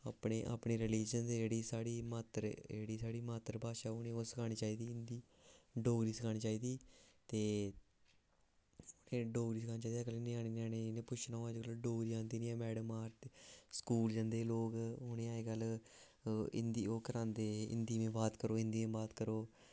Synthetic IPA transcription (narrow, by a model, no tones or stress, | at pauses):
aːpɳeːʔa̰ːpɳeːɾɪliːd͡ʒənzeːd͡ʒeːɽiːsaːɽiːmaːt̪əɾd͡ʒeːɽiːsaːɽiːmaːt̪əɾbaːʃaːʊnẽːoːsəkʰaːñiːt͡ʃaːiːd̪iːɪnd̪iː | ɖoːɡɾiːsəkʰaːniːt͡ʃaːiːd̪iːt̪eː | ʊnẽːɖoːɡɾiːsəkʰaːniːt͡ʃaːiːd̪iɛːkəliːnẽːaːniːnaːnẽːnẽːpʊt͡ʃʰnaõad͡ʒɡəloɖoːɡɾiːãːnd̪iːnĩːɛːmɛːɖəmaːɾt̪skuːld͡ʒãːnd̪eːloːkɦʊnẽːaːeɡəl | ɪ̰nd̪iːoːkəɾãːnd̪eːɪ̰nd̪iːmẽːbaːt̪kəɾoːɪnd̪iːẽːbaːt̪kəɾoː